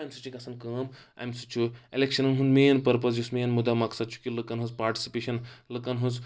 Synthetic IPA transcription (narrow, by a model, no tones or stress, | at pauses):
ɐjmsɨt͡ʃʰikɐsɐnkɐːma̰jmsut͡ʃʰuelekʃɐnɐnɦund̪meːnpɐɾpɐsd͡ʒusmeːnmud̪amɐksɐd̪̚t͡ʃʰu̥kʲilɨkɐnɦuspaːɾʈi̥si̥peːʃɐnlɨkɐnɦus